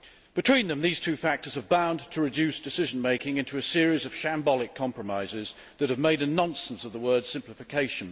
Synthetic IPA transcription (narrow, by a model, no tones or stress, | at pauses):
b̥ɨtʰw̥ĩnðə̃mðiz̥tʰʉfæk̚tə˞z̥əvbãʊ̃ntʰəɹɨdʉsd̥ɨsɪʒə̃n̩meɪkɪ̃ŋɪ̃ntuɨsɪəɹizʌv̥ʃæ̃mbɒlˠɪkʰɑ̃mpɹ̥əmaɪzɪz | ðət̚hɨvmeɪɾɨnɑ̃nsə̃n̩sʌvðəwɜ˞d̥sɪ̃mplɨfɨkʰeɪʃə̃n